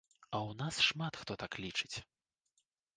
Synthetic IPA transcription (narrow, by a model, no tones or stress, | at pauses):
ɐwnasʂmat̪xt̪ɔt̪aklʲit͡ʂɨt͡sʲ